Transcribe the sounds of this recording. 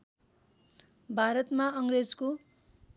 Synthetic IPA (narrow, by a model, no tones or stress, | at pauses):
bʱaɾʌt̪maʌŋred͡zko